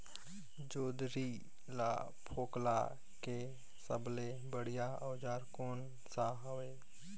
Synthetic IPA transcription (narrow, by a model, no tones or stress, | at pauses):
d͡ʒoːd̪ɾi | la̰ː | pʰoːkla̰ | keː | sə̰ble | bəɽɪjaəːd͡ʒaːɾkoːn | saɦoʋeː